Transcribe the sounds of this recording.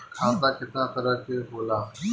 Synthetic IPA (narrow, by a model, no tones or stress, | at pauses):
kʰãːd̪aːkɪt̪nãːt̪əɾəkeboːlaː